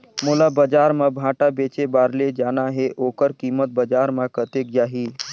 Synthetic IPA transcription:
molabəd͡ʒaːɾmãbʱãːʈabeːt͡ʃebaːɾled͡ʒaːnaɦeʔoːkəɾkiːmət̪̚bəd͡ʒaːɾmãkət̪ek̚d͡ʒaːɦiː

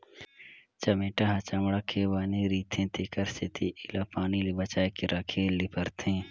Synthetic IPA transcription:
t͡ʃɐmeːʈaɦɐ̃t͡ʃamɽakʰebaːniɾiːt̪ʰẽt̪ʰeːkəɾset̪ʰiʔɪlapaːnilebɐt͡ʃaːekeɾɐkʰeːllipəɾt̪ʰẽː

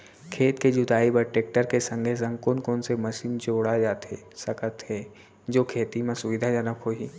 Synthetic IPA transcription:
kʰeːt̪ked͡ʒʊd̪aːibəʈeːk̚ʈəɾkesə̃ŋɡʱes̬ɐ̃ŋkõnkonsemɐʃiːnt͡ʃoːɽad͡ʒaːt̪e | sɐkət̪ɦe | d͡ʒoːkʰeːt̪imẽsʊʋid̪ʱad͡ʒənəkɦoɦiː

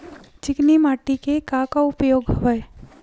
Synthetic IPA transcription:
t͡ʃɪknimaːʈːikekakaʊpjoːɡɦɐʋəe

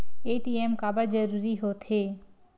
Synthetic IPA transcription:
eʈiemkabəɾd͡ʒəɾuɾiɦot̪ʰe

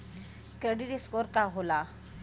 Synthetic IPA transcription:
kɾeɖiɾiskoːɾkaɦoːlaː

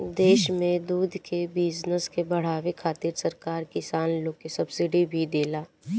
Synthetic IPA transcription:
d̪eːʃmẽd̪uːd̪ʱkebɪznəskebɐɽ̤aːʋekʰaːt̪ɪɾsɐɾkaːɾkɪsaːnlõkesɐbsɪɖibʱid̪eːlaː

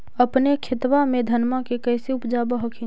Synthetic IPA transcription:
əpnekʰɪt̪ʋamẽd̪ʱənmakekəɪseupd͡ʒabəɦəkʰi

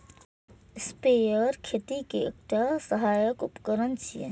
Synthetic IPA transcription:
spejəɾkʰet̪ikeḛk̚ʈasəɦajəkupkəɾənt͡ʃʰijḛ

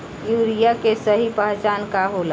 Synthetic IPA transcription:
juːɾijakesəɦipəɦt͡ʃaːnkaɦola

